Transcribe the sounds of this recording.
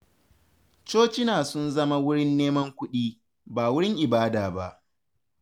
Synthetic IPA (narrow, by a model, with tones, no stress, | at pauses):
t͡ʃoː˦t͡ʃɪ˦naː˨sʊ˦nzɐ˦ma˦wʊ˦ɽɪ˦nːeː˦mɐ˦ŋkʷʊ˦ɗiː˦ | baː˨wʊ˦ɽɪ˦ŋʔɪ˨baː˦daː˨ba̰˦ʔ